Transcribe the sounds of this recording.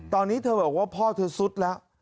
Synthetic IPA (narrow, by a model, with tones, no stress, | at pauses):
t̪ɔː˧nːiː˦˥t̪ʰɤː˧bɤː˨˩k̚waː˥˩pʰɔː˥˩t̪ʰɤː˧su˦˥t̪̚lɛ˦˥ʔ